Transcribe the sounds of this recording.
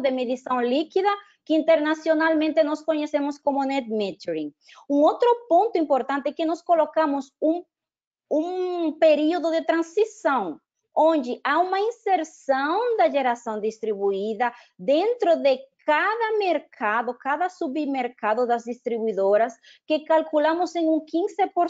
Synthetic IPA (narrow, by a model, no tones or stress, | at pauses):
d̪emeðisɐ̃w̃likiðɐ | kɪĩnt̪eɾnasjonalmẽnt̪ɪnɔskoɲesẽmʊskomʊnɛt̪̚mẽt̪eɾĩŋ | ũŋot̪ɾʊpõnt̪ʊĩmpoɾt̪ãnt̪ɪɛkɪnɔskolokamʊsũ | ũpeɾioðʊðɪt̪ɾɐ̃nsisɐ̃w̃ | õnd͡ʒɪʔaumɐĩnseɾsɐ̃w̃d̪ɐʒeɾasɐ̃w̃d̪ist̪ɾiβuiðɐ | d̪ẽnt̪ɾoðekaðɐmeɾkʰaðʊkaðɐsuβimeɾkaðʊðɐzd̪ist̪ɾiβuiðoɾɐs | kɪkalkulamʊsẽŋũŋkĩŋsepoɾ